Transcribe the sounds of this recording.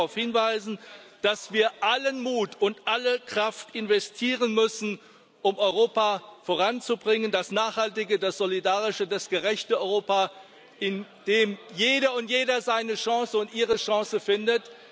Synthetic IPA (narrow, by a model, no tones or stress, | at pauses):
aʊfhɪnvaɪzn̩d̥asv̥iːɐʔalənmuːtʊntʔaləkʁ̥aftɪnvɛstʰiːʁənmʏsn̩ | ʔʊmɔʏʁoːpafoʁant͡subʁɪŋəndasnaːχhaltɪɡədasz̥olidaːʁɪʃədasɡ̥əʁɛçtəɔʏʁoːpa | ʔɪn | d̥eːmjeːɾɐʊntjeːdɐzaɪnəʃɑ̃ːsəʊntʔiːʁəʃɑ̃ːsəfɪndət